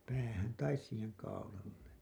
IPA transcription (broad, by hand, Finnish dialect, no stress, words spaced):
pæːhæn tɑis siːheŋ kɑulɑlːe